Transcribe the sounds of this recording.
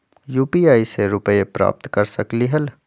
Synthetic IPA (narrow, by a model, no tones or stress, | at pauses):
juːpiaːiseɾʊpəepɾa̰ːp̚t̪kɐɾsɐkliɦəl